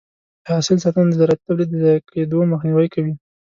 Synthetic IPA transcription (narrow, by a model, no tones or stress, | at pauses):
d̪əasɪls̬ɑt̪and̪əzaɾat̪̚t̪ːablid̪əzakʰed̪oməxniwəjkawi